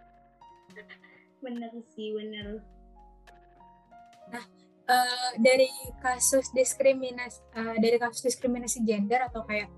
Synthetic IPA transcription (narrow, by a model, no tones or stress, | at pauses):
bənərsibənər | nah | ʔədaɾikasʊsdiskɾiminasədaɾikasʊ̥sdiskɾiminasid͡ʒɛndəɾat̪awkajak̚